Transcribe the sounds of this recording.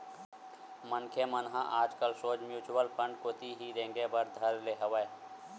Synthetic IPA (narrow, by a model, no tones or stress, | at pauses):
mənkʰemənɦãʔaːd͡ʒkəlsoːd͡ʒmjuːt͡ʃuwəlpʰə̃ɳɖkoːt̪iɦiɾẽːŋɡebəɾd̪ʱəɾleɦəʋəe